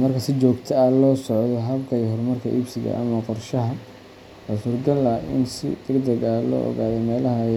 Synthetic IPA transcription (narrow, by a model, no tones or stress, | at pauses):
mɐrkʰɐsɪt͡ʃɔːɡt̪ʰɐɐlɔːsɔʕd̪ɔɦɐbkʰɐjiɦɔrmɐrkʰɐ̰ʔibsɪɣɐ̰ʔɐ̰mɐqɔrʃɐɦɐ | hasʊrɡɐlɐɪ̰nsɪ̰d̪̥ɐɡd̪ɐɣɐlɔ̰ːʔɔ̰ɣaːðɛmɛːlɐɦɐ